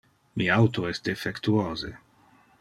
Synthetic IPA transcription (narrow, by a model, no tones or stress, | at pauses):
miawt̪oɛst̪efekt̪uoːzḛ